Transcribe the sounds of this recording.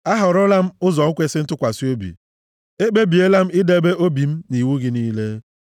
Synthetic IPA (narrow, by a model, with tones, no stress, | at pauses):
a˦ɦʊ˨ɾʊ˦la˦m̩˦ʊ˦zɔ˨ŋ̩˦kʷe˦sɪ˦n̩˦tʊ˦kʷa˨si˦o˦bḭ˨ | e˦k͡pe˦bi˨e˦la˦m̩˦ɪ˦de˦be˦ʔo˦bi˨m̩˦ni˨wu˦ɡɪ˦niː˦le˦